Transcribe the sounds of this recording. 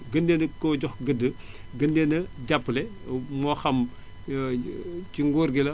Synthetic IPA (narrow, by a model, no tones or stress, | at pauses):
ɡəndenəkɔɟɔxɡədːə | ɡəndenɐɟapːlɛmɔxɐm | ciŋɡoːɾɡilɐ